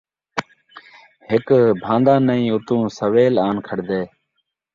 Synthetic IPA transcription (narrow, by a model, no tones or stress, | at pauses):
hɪkbʱãːnd̪ãːnəĩːʊt̪ũːsəʋeːlaːnkʰəɽd̪eː